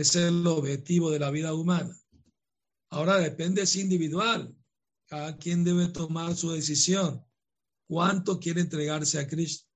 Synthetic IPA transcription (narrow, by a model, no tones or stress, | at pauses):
eseoβxe̞t̪iβo̞ðe̞laβ̞iðaumana | ao̞ɾaðe̞pe̞nd̪esind̪iβiðwal | kaðakje̞nd̪e̞βe̞t̪o̞maɾsuðe̞s̬isjo̞ŋ | kwant̪o̞kje̞ɾeːnt̪ɾe̞ɣaɾseakɾist̪o̥